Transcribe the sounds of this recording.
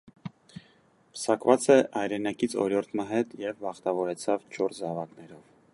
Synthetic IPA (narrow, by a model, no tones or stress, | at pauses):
pʰə̥sɑkvɑt͡sɛɑjɾɛnɑkit͡sʰɔ̰ɾjɔɾt̪ʰməɦɛt̪jɛvːɑχt̪ɑvɔɾɛt͡sʰɑvt͡ʃʰɔɾzɑvɑknɛɾɔv